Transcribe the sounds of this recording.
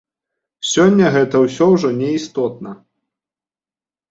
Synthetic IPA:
sʲɔnʲːɐɣɛt̪ɐwsʲɔwʐɔnʲɛist̪ɔt̪̚nɐ

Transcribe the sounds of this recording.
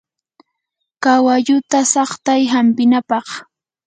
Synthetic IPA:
kawaʎʊt̪asɑχt̪ajɦampɪnapɑχ

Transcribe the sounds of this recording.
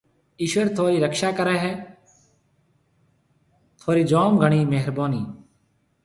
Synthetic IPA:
iːʃʋəɾt̪ʰoːɾiːɾəkʃaːkəɾɛːɦɛː | t̪ʰoːɾiːd͡ʒoːmɡʱəɳ̃iːmeːɦɾboːniː

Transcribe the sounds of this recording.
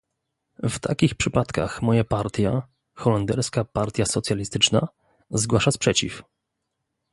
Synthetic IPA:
vt̪a̰kʲixpʂɘpat̪ka̰xmɔjapaɾt̪ʲja | xɔland̪ɛɾskapaɾt̪ʲjasɔt̪sʲjalʲist̪ɘt͡ʂna̰ | zɡwaʂaspʂɛt͡ɕḭf

